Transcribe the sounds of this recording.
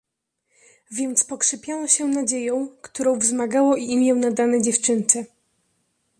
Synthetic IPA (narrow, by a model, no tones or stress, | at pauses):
vʲjɛnt̪spɔkʂɘpʲjanɔɕɛnad͡ʑejɔ̃w̃kt̪uɾɔ̃w̃vzmaɡawɔʔiimʲjɛwnad̪anɛd͡ʑɛft͡ʂɘnt͡ʂɛ